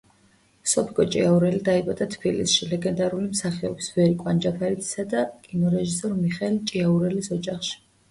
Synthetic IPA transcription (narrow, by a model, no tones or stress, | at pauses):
sɔpʰikʼɔt͡ʃʼḭauɾɛlid̪aɛbat̪ʼat̪ʰb̥ilḭsʃilɛɡɛnd̪aɾulimsaχɛɔ̰bisbɛɾikʼwand͡ʒapʰaɾit̪ʰʼi̥sad̪akʼinɔɾɛʒisɔɾmiχɛɛlt͡ʃʼiauɾɛlisɔd͡ʒaχʃi̥